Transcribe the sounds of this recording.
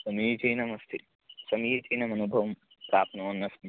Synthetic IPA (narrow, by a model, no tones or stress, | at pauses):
sɐmiːt͡ʃɐjnɐmɐst̪ʰi | sɐmiːt͡ʃɐjnɐmɐnubʱɐʋɐm | pɾaːpnoːnːɐsmi